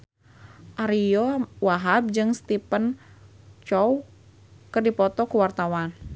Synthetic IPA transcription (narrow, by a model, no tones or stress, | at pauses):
ʔaɾijɔwaɦab̚d͡ʒɨŋst̪ipən | t͡ʃɔw | kɨrdipɔt̪ɔkuwart̪awan